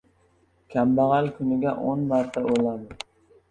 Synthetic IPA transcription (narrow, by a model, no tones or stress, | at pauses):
kʲʰambaʁalkʰʊnɪɡʲaʔonmaɾt̪ʰaolad̪ɪ